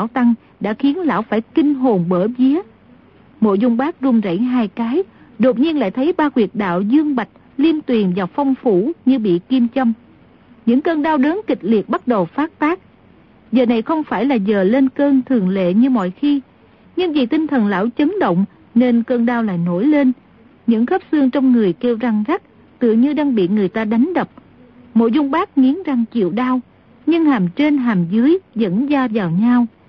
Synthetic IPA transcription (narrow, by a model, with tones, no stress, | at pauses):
aː˧˥˩wt̪a˧ŋ | ɗa̰ː˧˥xi˨˦ənla̰ː˧˥˩wfaː˧˩jkï˧ŋ̟ɦo˨˩nɓəː˧˩vi˨˦ə | mo̰˧˨jzʊ˧ŋ͡mɓaː˦˥k̚zʊ˧ŋ͡mza̰˧˩jŋɦaː˧jkaː˨˦j | ɗo˨˩t̚ɲi˧ənla̰ː˧˨jt̪ʰə˨˦jɓaː˧kwi˨˩ət̚ɗa̰ː˧˨wzɨ˧əŋɓa˨˩jk̟̚ | li˧ənt̪wi˨˩ənvaː˨˩fɔ˧wŋ͡mfu˧˩ɲɨ˧ɓḭ˧˨ki˧əmt͡ɕə˧m | ɲɨ̰˧˥ŋkəː˧nɗaː˧wɗəː˨˦nkï˨˩k̟̚li˨˩ət̚ɓa˦˥t̚ɗə˨˩wfaː˦˥t̚t̪aː˦˥k̚ | zəː˨˩na˨˩jxə˧wŋ͡mfaː˧˩jlaː˨˩zəː˨˩le˧nkəː˧nt̪ʰɨ˨˩əŋlḛ˧˨ɲɨ˧mɔ̰˧˨jxi˧ | ɲɨ˧ŋvḭ˨˩t̪ï˧ŋ̟t̪ʰə˨˩nla̰ː˧˥˩wt͡ɕə˨˦nɗə̰˧˨wŋ͡m | ne˧nkəː˧nɗaː˧wla̰ː˧˨jno˧˩jle˧n | ɲɨ̰˧˥ŋxə˦˥p̚sɨ˧əŋt͡ɕɔ˧wŋ͡mŋɨ˨˩əjke˧wza˧ŋza˦˥k̚ | t̪ɨ̰˧˨ɲɨ˧ɗaː˧ŋɓḭ˧˨ŋɨ˨˩əjt̪aː˧ɗa˨˦jŋ̟ɗə˨˩wp̚ | mo̰˧˨jzʊ˧wŋ͡mɓaː˦˥k̚ŋi˨˦ənza˨˩ŋt͡ɕḭ˧˨əwɗaː˧w | ɲɨ˧ŋhaː˨˩mt͡ɕe˧nɦaː˨˩mzɨ˨˦jzə̰˧˥nzaː˧zaː˨˩wɲa˧w